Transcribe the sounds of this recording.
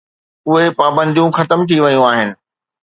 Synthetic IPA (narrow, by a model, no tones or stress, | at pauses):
ʊɦepaːbə̃nd̪ʱijũxɐt̪əmt̪ʰiʋɐjũaːɦɪnɪ̆